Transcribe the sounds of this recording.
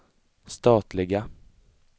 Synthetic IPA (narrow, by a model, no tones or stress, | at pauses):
st̪ɑːt̪lɪɡa